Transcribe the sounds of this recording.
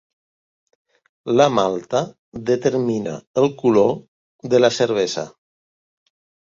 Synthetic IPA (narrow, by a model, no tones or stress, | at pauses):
lamalˠt̪a | ðət̪əɾmina̰əlˠkulo | ðəlasəɾβ̞eza̰